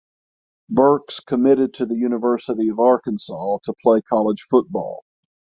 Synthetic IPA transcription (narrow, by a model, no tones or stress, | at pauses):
bɜ˞kskʰəmɪɾɨd̚tʰɨðɨjʉñəvɜ˞səɾiʌvɑɹkɨ̃n̩sɔlˠtʰəpʰl̥eɪkʰɑlˠəd̥ʒ̥fʊt̚b̥ɔ̰lˠ